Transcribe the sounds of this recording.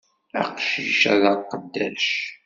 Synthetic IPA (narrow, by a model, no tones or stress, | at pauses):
æ̰qʃəʃæðɑqːəd̪ːælʃ